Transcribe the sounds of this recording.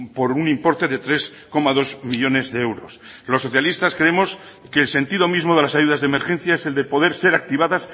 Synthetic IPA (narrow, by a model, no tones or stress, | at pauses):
po̞ɾunĩmpo̞ɾt̪e̞ðe̞t̪ɾe̞s | ko̞mað̞o̞zmiʎo̞ne̞zðeewɾo̞̰s | lo̞sːoθjalist̪askɾeemo̞s | keːlse̞nt̪iðo̞mizmo̞ð̞e̞lasaʝuð̞azðemeɾxe̞n̟θjaese̞ld̪e̞po̞ðe̞ɾse̞ɾak̚t̪iβ̞aðas